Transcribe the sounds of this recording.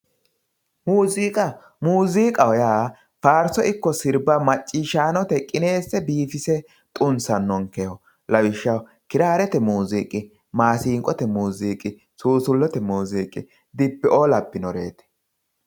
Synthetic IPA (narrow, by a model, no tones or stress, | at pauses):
muːziːkʼɐ | muːziːkʼɐwɔjaː | faːɾsɔʔɪkːɔsɪɾbɐmɐt͡ʃʼːiːʃaːnɔt̪ɛkʼɪne̞ːsːɛbiːfɪsɛ | t̪ʼʊnsɐnːɔŋkɛjɔ | lɐwɪʃːɐw | kɪɾaːɾɛt̪ɛmuːziːkʼɪ | maːsiːŋkʼɔt̪ɛmuːziːkʼːɪ | suːsʊlːɔt̪ɛmuːziːkʼɪ̰ | d̪ɪpːɛoːlɐpːɪnɔɾḛːt̪ɛ̥